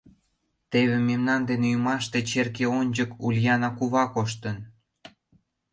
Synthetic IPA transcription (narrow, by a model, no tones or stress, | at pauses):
t̪eβemːemnɑnd̪eneumɑʃt̪et͡ɕerkeonʲd͡ʑəkulʲjɑnɑkuβɑkoʃ̬t̪ən